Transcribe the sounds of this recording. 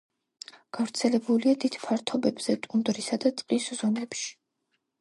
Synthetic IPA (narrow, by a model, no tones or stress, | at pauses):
ɡ̥avɾt̪sʰɛlɛbuliad̪id̪̥pʰaɾt̪ʰɔbɛbz̥ɛt̪ʼund̪ɾisad̪at̪sʼqʼiszɔmɛpʃi̥